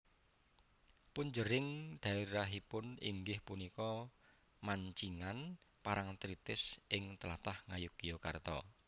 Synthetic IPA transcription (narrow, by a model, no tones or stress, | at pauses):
puɲd͡ʒəɾɪŋɖ̪̥a̤iɾaɦipʊnḭŋɡɪhpunikɔ | maɲt͡ʃiŋanpaɾʔaŋt̪ɾit̪ɪsʔɪŋt̪əlat̪ahŋajʊkijoka̰rt̪ɔ̰